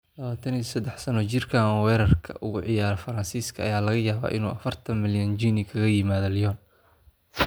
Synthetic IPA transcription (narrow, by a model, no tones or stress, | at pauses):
lɐβaːt̪ʰɐniɔsɐd̪ːɛħsɐnɔt͡ʃɪrkʰaːnɔwɛːɾɐrkʰɐ̰ʔʊɣʊʕɪjaːɾɐfɐɾɐnsiːskʰɐ̰ːjaːlɐɣɐjaːβa̰ːʔɪnṵːʔɐfɐrt̪ʰɐnmɪljɐnd͡ʒinikʰɐɣɐjɪmaːðɐlɪjɔːn